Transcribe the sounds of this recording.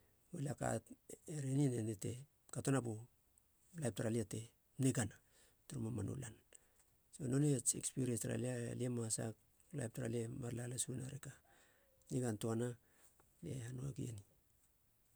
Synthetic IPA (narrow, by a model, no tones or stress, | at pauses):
ɡulaka̰teɾeninenete̞ | katonabu | lajp̚taɾaliate̞ | niɡana | tuɾumamanṵlan | sono̞net͡ʃḛkspiɾienstɾa̰lialiemasa̰k | la̰jp̚taɾa̰liemaɾlalasunaɾeka | niɡantoana | liehanuaɡiḛni